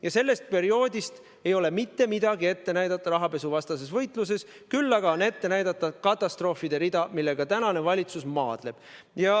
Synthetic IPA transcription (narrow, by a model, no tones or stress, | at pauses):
jɑse̞lːe̞st̪̚pe̞ɾio̞ːd̪ist̪ | e̞jo̞le̞mit̪ːe̞mid̪̥ɑɡie̞t̪ːe̞næjd̪ɑt̪ːˑɑɾɑɦɑpe̞suvɑst̪ɑse̞svɤ̞jt̪ˑlus̬e̞s | kylːɑɡ̥ɑone̞t̪ːe̞næjd̪̥ɑt̪ːˑɑkɑt̪ˑːɑst̪ro̞ːfid̪̥e̞ɾid̪ɑmilːe̞ɡ̥ɑt̪ænɑne̞vɑlʲit̪susmɑːd̪̥le̞b̥ | jɑ